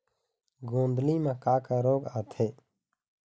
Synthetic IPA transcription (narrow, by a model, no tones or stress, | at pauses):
ɡõːnd̪limãkaːkaɾoːɡaːt̪ʰeː